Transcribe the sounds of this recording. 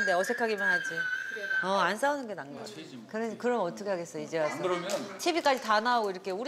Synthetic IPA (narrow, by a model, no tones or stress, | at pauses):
nde̞ʌsʰe̞kʰaɡimanɦad͡ʑiʌans͈aunɯnɡe̞naŋɡʌ | kɯɾʌnkɯɾʌmʌt͈ʰʌkʰe̞ɦaɡe̞s͈ʌid͡ʑewas͈ʰʌmt͡ɕʰebik͈ad͡ʑitanaːɡoiɾʌkʰe̞uɾ